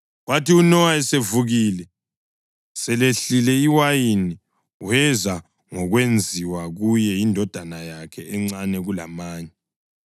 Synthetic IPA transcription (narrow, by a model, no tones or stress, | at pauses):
watiunɔwaɛsevuɣiːlɛ | sɛleɬilɛiwajini | uɛza | ŋɔɣwend͡zʱiwaɣujɛjindʱɔd̥ʱanajakʰɛɛŋ͡ǀanɛɣula̰maːɲɛ